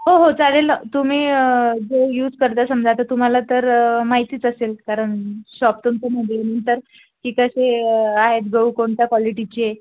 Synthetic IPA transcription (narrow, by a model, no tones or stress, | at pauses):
ɦoɦot͡saɽelnət̪um̤iːd͡zojuːd͡zkəɾt̪asəmd͡zʱat̪at̪um̤alat̪əɾmaɦit̪iːt͡səselkaɾəɳɕɔp̚t̪umt͡seməd̪lenənt̪əɾ | kikəɕeaɦet̪̚ɡəukoɳt̪jakʋɔliʈit͡ɕie